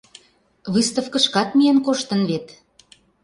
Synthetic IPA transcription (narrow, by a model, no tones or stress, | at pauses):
βɨst̪ə̆fkə̆ʃkɑt̪mijenkoʃt̪ə̆nβet̪